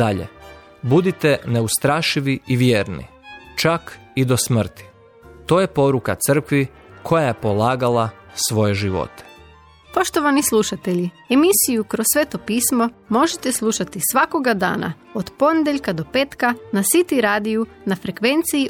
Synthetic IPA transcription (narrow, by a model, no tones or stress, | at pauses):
aʎḛ | bud̪it̪e̞ne̞ust̪ɾaːʃiʋiiʋjeːɾnḭ | t͡ʃakid̪o̞smr̩t̪i̥ | t̪o̞ːje̞po̞ɾukat̪sər̩kʋi | kʰo̞jajepo̞laːɡalasʋo̞jeʒiʋo̞̰t̪ʰe̥ | po̞ʃt̪oʋanislˠuʃat̪eʎi | emisijukɾossːʋet̪o̞piːsmo̞mo̞ʒet̪eslˠuʃat̪isʋako̞ɡad̪a̰ːna̰ | od̪po̞ned̪eʎʲkad̪o̞peːt̪kanasit̪iɾaːd̪iju | nafɾe̞kʋe̞nt̪sii